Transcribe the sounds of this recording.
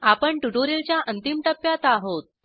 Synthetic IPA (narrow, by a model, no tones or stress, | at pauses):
apəɳʈuʈoɾelt͡ɕjaʔənt̪imʈəpːjat̪aɦot̪̚